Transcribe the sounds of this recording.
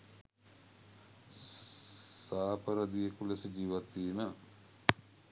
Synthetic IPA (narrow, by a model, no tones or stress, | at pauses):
saːpəɾɐd̪ijekulesəd͡ʒiːʋat̪ːiːmə